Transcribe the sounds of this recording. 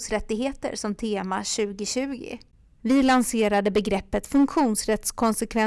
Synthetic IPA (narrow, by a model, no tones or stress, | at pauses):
sɾɛt̪ːɪɡɦeːt̪ə̰ɾsɔmt̪ʰeːmaɕʉ̟ːɡɪɕʉ̟ːɡɪ̰ | vɪlanseːɾad̪əbɛɡɾɛpːət̪fɵŋkɧuːnsɾɛt̪skʰɔnsɛkvɛ